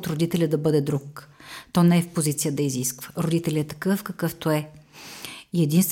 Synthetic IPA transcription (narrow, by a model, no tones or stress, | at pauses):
t̪ɾod̪it̪ɛlʲəd̪ɐbɤd̪ɛd̪ɾukt̪ɔnɛɛfpozit̪sijəd̪ɐiziskvə̥ɾod̪it̪ɛlʲɛt̪ɐ̥kɤfkɐkɤft̪oɛ | iɛd̪inst̪v